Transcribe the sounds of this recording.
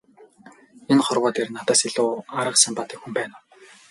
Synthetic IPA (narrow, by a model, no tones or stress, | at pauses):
enχɔrwɔːt̪ernat̪aːsiɮʊːaɾə̆qsămpat̪ĭ̥kxumpæːn